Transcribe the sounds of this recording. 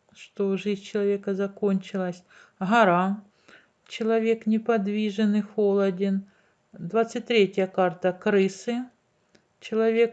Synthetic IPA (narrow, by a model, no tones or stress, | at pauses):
ʂt̪oʐɨzʲt͡ɕɪlˠɐvʲe̞kɐzɐko̞nʲt͡ɕɪlˠɐsʲ | ɦɐɾa | t͡ɕɪlˠɐvʲe̞knʲɪpɐd̪vʲiʐɨnɨxolˠɐdʲɪn | d̪vat̪sɨtʲt̪ɾʲetʲjəkart̪ɐkɾɨsɨ | t͡ɕɪlˠɐvʲek̚